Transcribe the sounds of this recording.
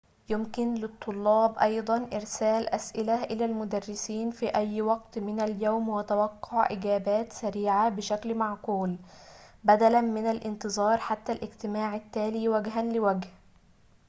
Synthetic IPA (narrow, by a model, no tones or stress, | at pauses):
jʊmkɪnlɪt̪ˤːʊlːɑːbʔɑjd̪ˤɑnʔɪɾsæːlʔæsʔɪlaʔɪlæːlmʊd̪ærːɪsiːnfiːʔæjːwɑɡt̪mɪnaljoːmwɪt̪awɑqːʊʕʔɪɡæːbæːt̪sæɾiːʕabɪʃæklmaʕquːl | bæd̪ælanmɪnalʔɪnt̪ɨzˤɑːɾˤħat̪ːælʔɪɡt̪ɪmaːʕɪt̪ːæːliːwæɡɦanlɪwæɡh